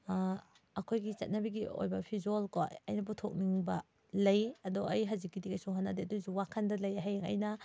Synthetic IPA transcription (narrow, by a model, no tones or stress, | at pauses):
ɐkʰojɡit͡ʃɐ̰t̚nɐbiɡio̰jbɐpʰizolkoɐ̰jnɐp̬utʰok̚niŋbɐ | lɐjɐdɔʔɐjɦɐzikːidikɐjsuɦanːadeɐdusuwakʰɐndɐlɐjaɦajŋɐ̰jnɐ